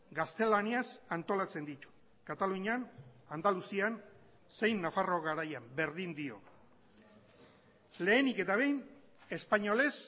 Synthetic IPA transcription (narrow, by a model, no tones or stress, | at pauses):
ɡast̪e̞laniasant̪o̞lat͡se̞nd̪it̪u̥ | kat̪aluɲian | and̪alusian | se̞jnːafaro̞ɣaɾajambe̞ɾðind̪io̞̰ | le̞ːnike̞t̪aβ̞e̞jn | e̞spaɲo̞le̞s